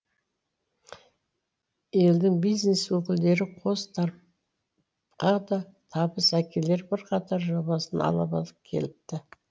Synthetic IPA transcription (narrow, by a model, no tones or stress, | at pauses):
e̞ld̪ɪŋbijzne̞swɵkʲɪld̪e̞ɾɪqʰo̞st̪ʰɑɾ | qɑd̪ɑt̪ʰɑbəsækʲe̞le̞ɾbɪɾqʰɑt̪ɑɾʒoβɑsənɑ̰lˠɑβɑ̰lˠəp̚kʲʰe̞̰lɪp̚t̪ɪ